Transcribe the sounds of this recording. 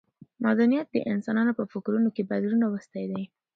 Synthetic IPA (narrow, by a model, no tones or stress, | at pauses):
mɑd̪anijat̪̚d̪ə̰ʔɪnsɑnɑnopəfɪkɾunokebad̪ɾunawəst̪ajd̪aj